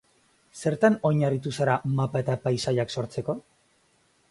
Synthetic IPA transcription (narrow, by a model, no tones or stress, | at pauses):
se̞ɾt̪ano̞jɲarit̪usaɾamapae̞t̪apajsaʎakso̞ɾt͡se̞ko̞